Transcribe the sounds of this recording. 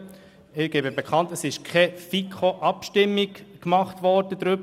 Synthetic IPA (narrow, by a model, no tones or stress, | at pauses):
ɪɾɡ̥ɛbəbɛkʰχɑntəsɪʃkʰɛfikʰoʔɑpʃtɪmːiɡkmɑχtʋɔɾd̥əd̥̪ɾʏb